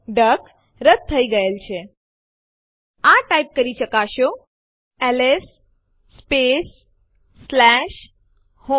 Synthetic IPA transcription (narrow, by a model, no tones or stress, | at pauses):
ɖək | ɾət̪̚t̪ʰːəiɡəelt͡ʃʰe | aʈaip̚kəɾiʃəkaʃo | ɛlesː | pesː | lɛʃ | ho